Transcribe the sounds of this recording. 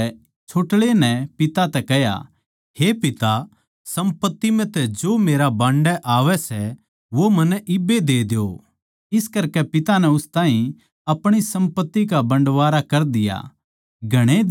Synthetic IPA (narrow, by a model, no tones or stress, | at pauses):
t͡ʃʰoːʈlenɛpɪt̪at̪ɛkɛɦja̰ | hepɪt̪a | sɐ̃mpət̪ːimɛ̃t̪ɛd͡ʒoːmeːɾabãːɳɖɛʔaːʋɛsɛ | ʋomɐnɛʔɪbed̪eːd̪o̰ː | ɪskɐɾkɛpɪt̪anɛʊst̪ãːɦĩ | ɐpɽ̃isɐ̃mpət̪ːikabɐ̃ɳɖʋaːɾakɐɾd̪ɪja̰ | ɡʱɐɽ̃ed̪